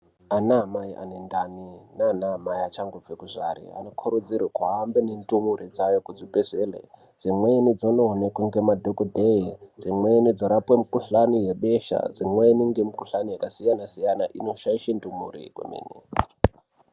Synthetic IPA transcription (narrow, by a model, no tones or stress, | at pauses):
anaɦamaiʔa̰nendaninaːnaɦamaiat͡ʃaŋɡovekuʐʷa̰ɾḭa̰nokʰoɾud͡zirwekwaːmbenendumuɾid͡zajokud͡zipezʷelḛ | d͡zimwenid͡zononekweŋɡemadʱokodʱeid͡zimwenid͡zoɾapwemukuɬanijeɓeʃa̰d͡zimweniŋɡemukuɬanijakasijanasijanaʔino̞ʃaiʃendumṵɾḭkwḛmḭːnḭ